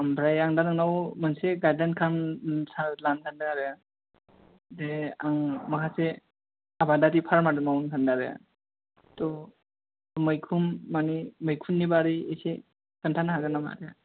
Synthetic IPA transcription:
ampʰɾajaŋdanaŋnawmanseɡajdankʰansalankʰandaaɾaja | deaŋmakʰase | abadatipʰaɾmadɯmawunkʰandaɾeja̰ | tɔ | məjkʰumːaniməjkʰunːibaɾiejse | kəntʰanaɦaɡanama̰ɾeja̰

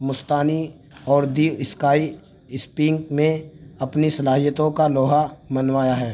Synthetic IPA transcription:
mʊst̪aːni | ɔːɾd̪iːʋɪskaːi | ɪspiŋkmẽɐpnisɐlaːɦijət̪õkaloːɦamɐnwaːjaɦɛː

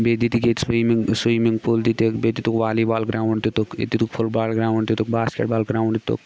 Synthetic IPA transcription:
bed̪it̪iket̪swimiŋsiːmiŋɡpʰult̪it̪ekbeːd̪it̪ukʋaːlibaːlɡɾaːuɳɖt̪it̪ukḛt̪it̪ukpʰʊlbaːlɡɾaːuɳɖt̪it̪ukbaːskḛʈ̚baːlɡɾaːũɳɖ̪t̪ṵk

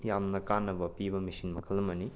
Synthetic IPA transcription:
jamnɐkanːɐbɐpibɐmisinmɐkʰɐlːɐmɐni

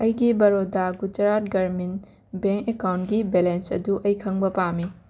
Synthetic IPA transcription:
ɐjɡibɐɾodaɡud͡ʒɐɾat̚ɡɐɾmin | beŋkekawntɡibelensɐ̰duʔɐjkʰɐŋbɐpami

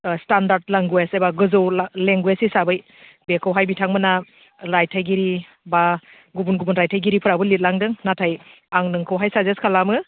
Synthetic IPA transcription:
standaɾdlaŋɡwesejbaɡɯzɯwlleŋɡwezisabɯj | bekʰɯwɦajbitʰaŋmɯna | ɾajtʰajɡiɾi | ba | ɡubunɡubunɾajtʰajɡiɾipʰɯɾabɯlit̚laŋdɯŋnatʰaj | aŋnɯŋkʰɯwɦajsazeskʰalamɯ

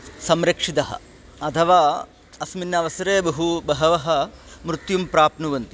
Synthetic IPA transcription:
sɐmɾɐkʂit̪ɐɦɐ̰̆ | ɐt̪ʰɐʋaː | ɐsminːɐʋɐsɐɾeːbɐɦubɐɦɐʋɐɦɐ̆mɾut̪jumpɾaːpnuʋɐnt̪i

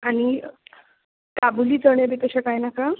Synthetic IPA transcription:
aɽ̃i | kabuliːt͡səɳjebit̪əɕakajnaka

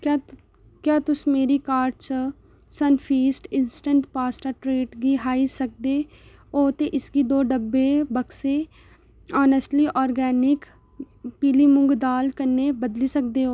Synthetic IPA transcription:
kaː | kjaːt̪ʊsmeːɾiːkaːɾʈt͡ʃ | sənpʰiːsʈɪnsʈəɳʈpaːsʈəɾʈɾeːʈɡiːɦaːiːsək̚d̪eː | oːt̪eːʔɪsɡiːd̪oːɖəbːeːbəkseː | ɔːnəsʈliːʔɔːɾɡɛːnɪk | piːliːmʊŋɡd̪aːlkəɾnːeːbəd̪liːsək̚d̪eːɦoː

